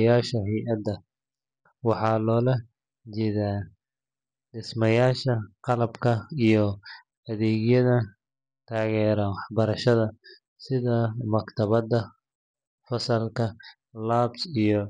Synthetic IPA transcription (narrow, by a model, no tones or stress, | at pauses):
jaːʃɐɦɛjʔɐd̪ːɐ | wɑħɑːlɔːlɐ | t͡ʃɛðaː | ɖɪsmɐjaːʃɐqɑlɐbkʰɐijɔ | ɐðɛːɣjɐðɐ | t̪ʰaːɣɛːɾɐwɑħbɐɾɐʃɐðɐ | sɪðɐmɐkt̪ʰɐβɐd̪ɐ | fɐsɐlkʰɐ | laːbsijɞ